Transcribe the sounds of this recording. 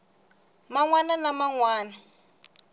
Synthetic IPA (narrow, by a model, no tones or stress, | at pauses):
maŋwananamaŋwaːna